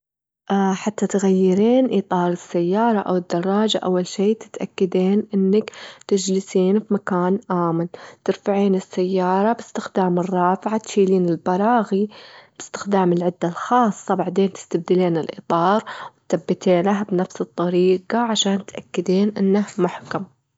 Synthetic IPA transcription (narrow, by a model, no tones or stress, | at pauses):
ʔħat̪ːat̪ɣajːɪɾiːnʔiːt̪ˤɑːɾˤɪsːajːɑːɾˤɑʔa̰wɪd̪ːɑrˤːɑːd͡ʒaʔawːalʃiːt̪ɪ̥t̪ʔa̰kːad̪eːnʔɪnːakt̪ɪd͡ʒlɪsiːnfimakaːnʔaːmɪlt̪ɪɾfaʕiːnɪsːajːɑːɾˤɑbɪst̪ɪxd̪aːmɪrˤːɑːfʕat̪ʃiːliːnɪlbɑɾˤɑːɣib̥ɪst̪ɪ̥xd̪aːmɪlʕɪd̪ːalxɑːsˤːɑbaʕd̪eːnt̪ɪ̥st̪ab̚d̪ɪleːnɪlʔḭːt̪ˤɑːɾˤwɪt̪θabːɪt̪eːnaɦbnafsɨt̪ˤːɑɾiːqɑʕaʃaːnt̪ʔakːɪd̪eːnʔɪnːahmʊħkam